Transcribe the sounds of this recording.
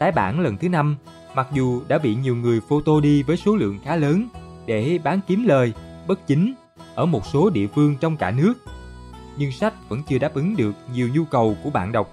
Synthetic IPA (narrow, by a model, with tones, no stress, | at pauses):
t̪aː˨˦jɓa̰ː˧˩nlə˨˩nt̪ʰɨ˨˦na˧m | ma˨˩k̚zu˨˩ɗa̰ː˧˥ɓḭ˧˨ɲi˨˩əwŋɨ˨˩əjfo˧t̪o˧ɗi˧vəː˨˦jso˨˦lɨ̰˧˨əŋxaː˨˦ləː˨˦nɗe˧˩ɓaː˨˦nki˨˦mləː˨˩jɓə˦˥t̚t͡ɕï˨˦ŋ̟ | ʔəː˧˩mo˨˩t̚so˨˦ɗḭ˧˨əfɨ˧əŋt͡ɕɔ˧wŋ͡mkaː˧˩nɨ˦˥ək̚ɲɨ˧ŋsa˦˥jk̟̚və̰˧˥nt͡ɕɨ˧əɗaː˦˥p̚ʔɨ˨˦ŋɗɨ˨˩ək̚ɲi˨˩əwɲu˧kə˨˩wku˧˩əɓa̰ː˧˨nɗə˨˩wk͡p̚